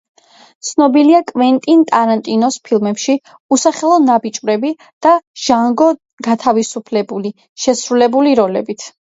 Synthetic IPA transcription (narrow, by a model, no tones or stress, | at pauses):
t̪sʰnɔbiliakʼvɛnt̪ʼint̪ʼaɾant̪ʼinɔspʰilˠmɛpʃi | usaχɛlˠɔnabit͡ʃʼvɾɛbi | d̪̥aʒ̥aŋɡɔ | ɡat̪ʰavisupʰlɛbuli | ʃɛsɾulɛbuliɾɔlɛbit̪ʰ